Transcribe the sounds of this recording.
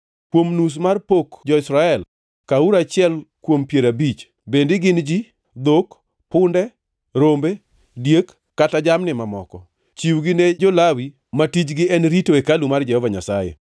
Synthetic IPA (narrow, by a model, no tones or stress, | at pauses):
kwomnus̬marpokd͡ʒɔɪsɾaɛl | kauɾat͡ʃɪɛlkwompjeɾabit͡ʃ | bendɪɡɪnd͡ʒi | d̪ok | pʊndɛ | ɾombe | djekː | atad͡ʒamnɪmamɔ̰kɔ | t͡ʃiwɡɪned͡ʒolawi | matit͡ʃɡɪɛnɾitoekalumard͡ʒɛhɔvaɲasajɛ̰